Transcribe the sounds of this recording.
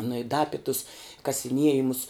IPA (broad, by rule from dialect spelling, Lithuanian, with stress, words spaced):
nʊ ɪ dɐ ˈɑːpʲɪ tʊs kɐsʲɪˈnʲiɛjɪmʊs